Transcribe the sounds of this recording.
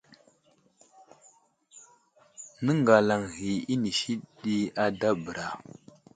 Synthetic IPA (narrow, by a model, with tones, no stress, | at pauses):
nə˦ŋɡa˨la˨ŋɣi˨i˦ni˨ʃi˦ɗi˦a˦da˦bə˨ɾa˨